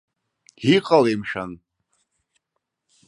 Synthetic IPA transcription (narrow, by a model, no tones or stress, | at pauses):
hiqʼalemʂan